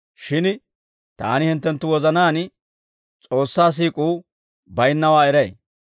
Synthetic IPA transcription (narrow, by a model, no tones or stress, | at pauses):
ʃɪn | t̪a̰ːnɪhɪnt̪ːɛnt̪ːʊwɔzɐnaːn | t͡sʼo̞ːsːaːs̬iːkʼuː | bɐjnːɐwaːɛɾɛj